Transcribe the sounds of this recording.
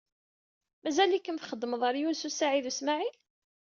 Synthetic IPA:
mæzælikːənθχəd̪ːəməðˤəɾjunsusaʕiðusmaʕil

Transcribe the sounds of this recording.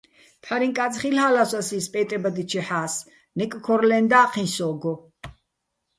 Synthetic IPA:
p̪ʰaɾiŋkʼat͡sʼχilhaːlasasispʼɛt̪ʼɛbad̪it͡ʃʰɛħaːs | nɛkʼkʰɔɾlɛnd̪aːqʰĩnsɔːɡɔ

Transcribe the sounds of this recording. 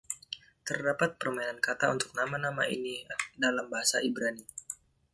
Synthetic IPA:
t̪ərdapat̪̚pərmainankat̪aṵnt̪ʊ̥k̚namanama̰ḭnidalambaɦasaibɾani

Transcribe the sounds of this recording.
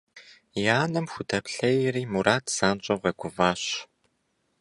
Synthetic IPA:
jaːnɐmxʷʊdʰɐpɬɐjɪɾiːmuɾaːtʰz̥aːnt͡ɕʼɐʁʷɐɡʷʊvaːɕ

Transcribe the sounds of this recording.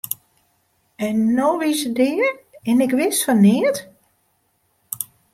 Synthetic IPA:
ɛnːoʋisədɪərɪnɪkʋɪsfɔnːɪət

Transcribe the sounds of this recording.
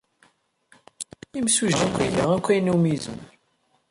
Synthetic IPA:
imsuʒd̪ækʷːilːaækʷːæjnumizə̰n

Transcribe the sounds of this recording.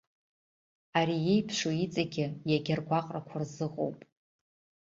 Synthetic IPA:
aɾijejpʰʂoit͡sʼaɡʲɪjaɡʲarɡʷaqʼrakʷʰarzɨqʼo̰wpʼ

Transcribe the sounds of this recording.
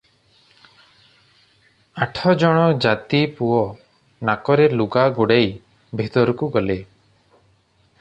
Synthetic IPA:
aʈʰɔd͡ʒɔɽ̃ɔd͡ʒat̪ipuɔ | nakɔɾeluɡaɡoɽej | bʱit̪ɔɾɔkuɡɔle

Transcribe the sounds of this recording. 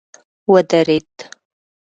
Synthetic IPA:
wɐdɐreːtʰʼ

